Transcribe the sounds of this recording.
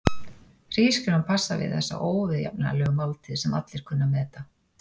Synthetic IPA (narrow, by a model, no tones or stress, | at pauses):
r̥iːscʏnanpʰasːavɪ̰ðθɛ̰sːa̰ʔoːwvɪðja̰pna̰lœːɣʏmawlt̪ʰɪðsɛma̰t̪lɪɾ̥kʰʏnːamɛːt̪a